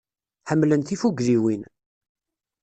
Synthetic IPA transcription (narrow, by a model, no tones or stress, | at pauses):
ħəmːlənt̪ifuɡliwin